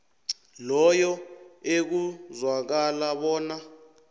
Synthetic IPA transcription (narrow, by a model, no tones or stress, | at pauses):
lɔjɔek̬uzwak̬alaɓɔːna